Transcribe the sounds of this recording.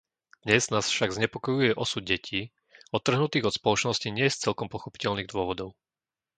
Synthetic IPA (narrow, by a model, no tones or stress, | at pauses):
d̪̥ɲɛznaːsfʃaɡzɲɛpɔkɔjujɛʔɔsud̪̚ɟɛcʰiː | ɔt̪ːr̩ɦnut̪iːɣɔt̪spɔlɔt͡ʃnɔsciɲɪɛst͡sɛlkɔmpɔxɔpi̥cɛʎniːɣd̪ʊɔʋɔd̪ɔʊ